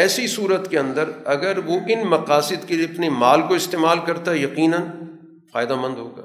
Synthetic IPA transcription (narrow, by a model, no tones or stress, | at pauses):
ɛːsisuːɾət̪keɐ̃nd̪əɾɐɡəɾʋoʔɪnmɐqaːsɪd̪kelieɐpnemaːlkoɪst̪eːmaːlkɐɾt̪aɦɛjɐqiːnən | faːɪd̪amɐ̃nd̪ɦoːɡa̰ː